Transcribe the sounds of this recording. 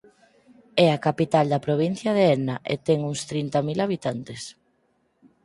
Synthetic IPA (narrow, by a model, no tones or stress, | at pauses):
ɛakapit̪ald̪ɐpɾoβ̞in̟θjɐðeɛnaʔḛt̪ɛŋuŋst̪ɾint̪ɐmilaβ̞it̪ant̪es